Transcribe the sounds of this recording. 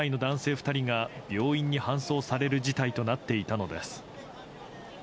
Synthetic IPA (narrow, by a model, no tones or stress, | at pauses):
aino̞d̪ãɰ̃se̞ːɸɯ̟̥t̪aɾʲiŋab̥ʲjo̞ːĩɲ̟ːihãɰ̃so̞ːsaɾe̞ɾɯ̟d͡ʑit̪ait̪o̞nat̪ːe̞it̪ano̞d̪e̞sɨ̥